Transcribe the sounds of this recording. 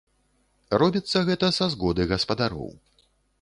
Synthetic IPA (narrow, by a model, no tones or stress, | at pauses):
rɔbʲit̪sːɐɣɛt̪ɐsazɣɔd̪ɨɣɐspɐd̪aɾɔ̰w